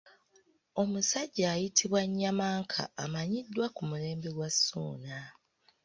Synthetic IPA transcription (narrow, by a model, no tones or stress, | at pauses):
o̞musaɟːaːjitʰiβwaɲːamaːŋkʰa̰ːmaɲidːwakumule̞ːmbe̞ɡwasːuːna